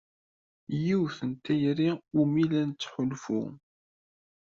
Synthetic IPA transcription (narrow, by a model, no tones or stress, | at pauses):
jiwθənt̪æjɾiumilænt͡sːħʊlfʊ̰